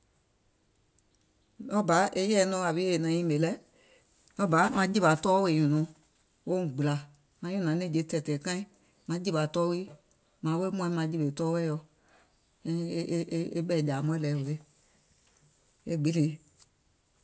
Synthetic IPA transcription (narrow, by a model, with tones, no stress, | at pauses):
ɔ˦ba˨˦ʔe˦jɛ˦˨˦nɔ̃˧˦a˨wi˦e˨nã˨jĩ˦me˨lɛ˦ | ɔ˦ba˨˦mã˧˦d͡ʒi˦ba˨tɔː˦we˨ɲũ˨nɔ̃˨ | wo˦˨ɡ͡bla˨ | mã˧˦jũ˦˨nã˨˦nẽ˦˨d͡ʒe˧˦tɛ˨tɛ˨kã˦ĩ˦ | mã˧˦d͡ʒi˦ba˨tɔː˦wi˦ | mã˨˦we˦mũ˦˧˦mã˧˦d͡ʒi˦be˨tɔː˦wɛ˦jɔ˧˦ | e˦ɓɛ˦˨d͡ʒa˨mũ˧˦ɛ˦lɛ˨˦wo˨le˦ | e˦ɡ͡bi˨˦le˨˦